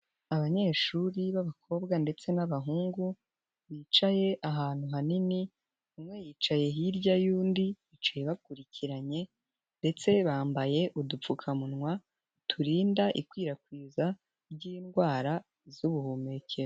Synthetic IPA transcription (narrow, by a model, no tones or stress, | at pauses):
aβaɲe̞ːʃuɾiβaβakʰo̞ːbɡande̞t͡se̞naβaɦuːŋɡu | βiːt͡ʃaje̞ʔaɦaːn̥huɦanini | umŋe̞jiːt͡ʃaje̞ɦiɾɟajuːndiβit͡ʃajeβakuɾiciɾaɲe̞ | nde̞t͡se̞βaːmbaje̞ʔudup͡fukʰamunŋwa | tʰuɾiːndaʔḭkwiːɾakwiːza | ɾɟiːnɡwaːɾa | zuβuhumece